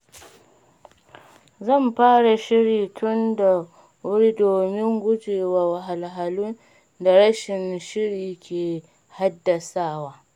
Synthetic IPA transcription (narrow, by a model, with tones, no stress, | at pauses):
zɐ˦˨mɸaː˦ɽa˨ʃɪ˦ɽiː˨tʰʊ˦nda˨ | wʊ˦ɽi˦doː˨mɪ˦ŋɡʷʊ˦d͡ʒeː˨waː˨wa˨ɦa˨lɦa˨lu˦n | da˨ɽɐ˦ʃɪ˨nʃɪ˦ɽiː˨kʲeː˨ | ha˦dːɐ˨saː˦˨waː˦